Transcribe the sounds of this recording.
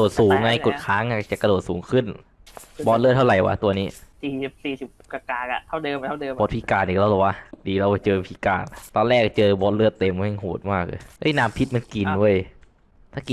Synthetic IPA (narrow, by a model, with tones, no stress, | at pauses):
oː˨˩t̪̚ssuː˩˧˦ŋːa˧jko˨˩t̚kʰaː˦˥ŋa˧˩t͡ɕa˨˩kːa˧doː˨˩t̪̚suː˩˦ŋkʰɯ˥˩n | bɔː˧˥t̪lɯ˥˩t̪ʰa˥˩wɾa˨˩jwa̰ː˦˥t̪u˧ɐniː˦˥siː˨˩i˨˩p̚siː˨˩si˨˩p̚ka˧kaː˧˩ka˧˩t̪ʰa˥˩wdɤː˧maː˥˧˩bɔː˦˥t̚pʰiː˧˩kaː˧nʔiː˨˩k̚la˧wlɔ˨˩wa˧˩diː˨˩ɾa˧wka˧˩t͡ɕɤː˧pʰiː˧˥˩kaː˧˩nt̪ɔː˧lɛː˥˩k̚ːa˧˩t͡ɕɤː˧bɔː˧˥tlɯ˥˩ət̪ːe˧ma˧˥˦ɛ˧˩ɦoː˨˩t̪̚maː˥˩k̚lɤ̰ː˧˦ʔɤ̰˦˥˩jnaː˦˧˥mpʰi˦˥t̪̚ma˧nki˨˩ndu˧˥˩əj | t̪ʰaː˥˩ki˨